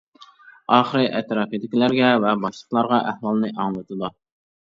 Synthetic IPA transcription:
ɑːχəɾɨʔɛt̪ɾɑfed̪ɪkʲilæɾɡʲɛvɛbɑʃlˠəχlˠɑɾʁɑʔæhwɑlˠnɨʔɑŋlˠɨt̪ʰɨd̪u

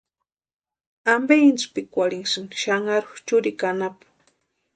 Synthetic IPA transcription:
ambeint͡spikʷaliŋsinʃaŋaɾʊxt͡ʃʊɾikanapḁ

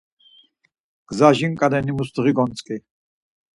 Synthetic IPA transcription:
ɡ̥zaʒiŋkʼad̪ɛnimust̪ʁiɡɔnt͡sʼkʼi

